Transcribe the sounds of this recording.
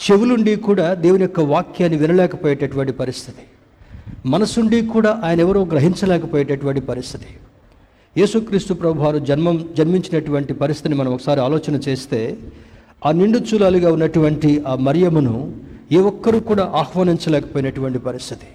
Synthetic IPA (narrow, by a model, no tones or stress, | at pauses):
t͡ʃe̞ʋuluɳɖiːkuːɽaːd̪e̞ːʋunijɔkːɐʋaːkjaːnːiʋinɐlɛːkɐpoːjɐʈeʈuʋɐɳʈipɐɾist̪ʰi̥t̪i̥ | mɐnɐsuɳɖiːkuːɽaːʔaːjɐnɐɛʋɐɾoːɡɾɐɦiɲt͡ʃɐlɛːkɐpoːjɐʈeʈuʋɐɳʈipɐɾist̪ʰi̥t̪i̥ | je̞ːsukɾiːst̪upɾɐbubʱaːɾud͡ʒɐnmɐmd͡ʒɐnmiɲt͡ʃinɐʈuʋɐɳʈipɐɾist̪it̪inimɐnɐmɔkɐ̥saːɾiaːlɔːt͡ʃɐnɐt͡ʃe̞ːst̪e̞ː | aːniɳɖut͡ʃuːlaːluɡaːunːɐʈuʋɐɳʈiaːmɐɾijɐmɐnueːʋɔkːɐɾuːkuːɽaːʔaːxʋaːniɲt͡ʃɐlɛːkɐ̥poːjinɐʈuʋɐɳʈipɐɾist̪ʰit̪i̥